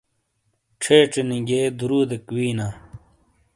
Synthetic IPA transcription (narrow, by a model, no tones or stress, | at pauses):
ʈ͡ʂʰeːʈ͡ʂeniŋɡeːd̪uɾuːd̪ekwiːnaː